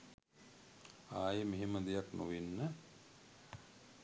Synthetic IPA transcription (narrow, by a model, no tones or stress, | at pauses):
aːjəmeɦeməd̪ejaknṵʋinːə